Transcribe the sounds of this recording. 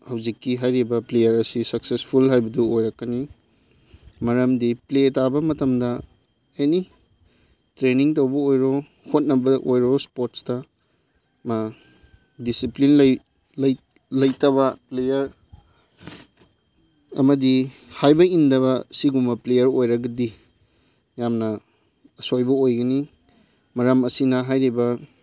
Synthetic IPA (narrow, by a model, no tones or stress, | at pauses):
hɐwzikːiɦajɾibɐplejɐɾɐsisɐk̚sespʰulɦajbɐduojɾɐkːɐni | mɐɾɐmdipletabɐmɐtɐmdɐ | eni | tɾeniŋtɐwbɐojɾɔ | hot̚nɐbɐʔojɾɔspoɾtstɐ | ma | disiplinlɐj | lɐj | lɐjtɐβɐplejɐɾ | ɐ̰mɐdihajbɐindɐβɐsiɡumɐplejɐɾojɾɐɡɐdi | jamnɐ | ɐsojbɐojɡɐni | mɐɾamɐsinɐɦajɾibɐ